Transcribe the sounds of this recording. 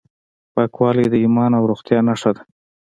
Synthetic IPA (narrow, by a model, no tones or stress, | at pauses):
pakwɑled̪əimɑnawɾoxt̪jɑnaʂad̪ḁ